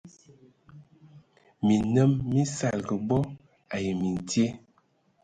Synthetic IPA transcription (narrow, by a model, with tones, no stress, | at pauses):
mi˨nə˦mːi˦sa˨lɡə˨bɔ˦ | a˨jə˨mi˨n˨tje˦